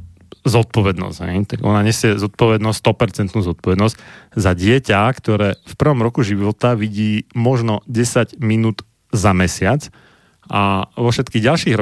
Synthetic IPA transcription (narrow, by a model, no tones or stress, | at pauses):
zɔt̪̚pɔʋɛd̪nɔ̰zɟ̥ɦɛ̰jt̪aɡɔnaɲɛsɪɛzɔt̪̚pɔʋɛd̪nɔsst̪ɔpɛɾt͡sɛnt̪nuːzɔt̪̚pɔʋɛd̪nɔzɟzaɟɪɛcakt̪ɔɾɛːfpr̩ʋɔmɾɔkuʒiʋʋɔt̪aʋiɟiːmɔʒnɔɟɛsaɟminuːd̪ | zamɛsɪat͡s | ʔaʋɔfʃɛt̪kiːɣɟalʃiːɣɾ